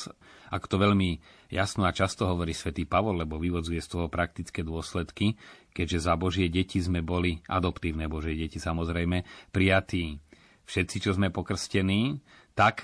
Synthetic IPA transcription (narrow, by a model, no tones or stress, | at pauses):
akɔ̥t̪ɔʋɛʎmi | jasnɔat͡ʃast̪ɔɦɔʋɔɾiːsʋɛt̪iːpaʋɔllɛbɔʋiʋɔd͡zujɛst̪ɔɦɔpɾak̚t̪it͡skɛːd̪ʊɔslɛt̪kikɛɟʒɛzabɔʒɪɛɟɛcizmɛbɔliʔad̪ɔpt̪iːʊnɛːbɔʒɪɛɟɛcisamɔzɾɛjmɛpɾijat̪iː | fʃɛt̪t͡sit͡ʃɔzmɛpɔkr̩scɛniː | t̪ak